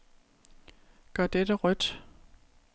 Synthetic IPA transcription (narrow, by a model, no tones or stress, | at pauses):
ɡ̥ɶɐd̥edəʁœd̥